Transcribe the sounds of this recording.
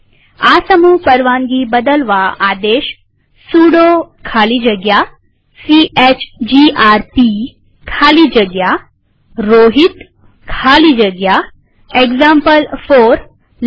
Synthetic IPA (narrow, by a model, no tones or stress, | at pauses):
aːsəmuːpəɾʋaːŋɡibəd̪əlʋaaːd̪eːʃ | suːɽokʰaːlid͡ʒəɡja | siʔet͡ʃd͡ʑiʔaːɾpi | kʰaːlid͡ʒəɡja | ɾoːɦit̪ | kʰaːlid͡ʒəɡja | eɡzãmpəlfoːɾ